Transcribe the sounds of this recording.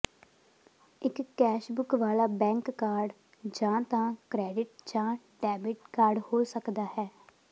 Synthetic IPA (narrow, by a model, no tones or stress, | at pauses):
ɪkːɛːʃbʊkʋaːlaːbɛ̃ːŋkːaːɾɖ | d͡ʒãːt̪ãːkɾɛːɖɪʈ̚d͡ʒãː | ɖɛːbɪʈkaːɾɖhoːsəkd̪aːɦɛː